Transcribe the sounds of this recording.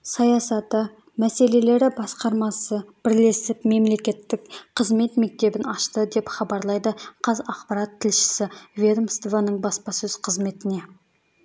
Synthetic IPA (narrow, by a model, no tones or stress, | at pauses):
sɑjɑsɑt̪ə | mæse̞le̞le̞ɾɪbɑsqɑɾmɑsəb̥ɪɾle̞sɪpme̞mle̞kʲe̞t̪ːɪkqʰəzme̞t̪me̞k̚t̪e̞bɪnɑʃt̪əd̪e̞pχɑbɑɾlˠɑjd̪əqʰɑzɑqpɑɾat̪ʰːɪlʃɪ̥sɪvʲed̪əmst̪vanəɴbɑspɑsɵz̥qʰəzme̞t̪ɪne̞